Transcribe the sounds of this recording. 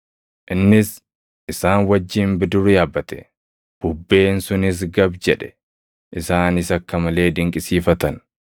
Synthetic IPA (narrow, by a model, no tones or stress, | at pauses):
ʔɪnːɪs | ʔɪsaːnwɐd͡ʒːiːmbɪd̪ʊrɪjaːbːɐt̪ɛ̥̰ | b̥ʊbːe̞ːnsʊnɪs̬ɡɐbd͡ʒɛᶑɛ̥ | ʔɪsaːnɪsɐkːɐmɐle̞ːd̪ɪŋkʼɪsiːfɐt̪ɐn